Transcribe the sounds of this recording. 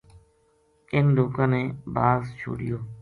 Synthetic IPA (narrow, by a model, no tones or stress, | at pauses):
ɪnd̪uːkãːnẽːbaːzt͡ʃʰo̰ːɽɪjoː